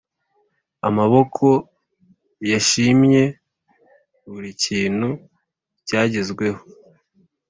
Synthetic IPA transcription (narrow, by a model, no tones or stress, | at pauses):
a̰maβo̞kʰo̞ | jaʃimɲe̞ | βuɾiciːn̥hu | caːɟezɡwe̞ho̥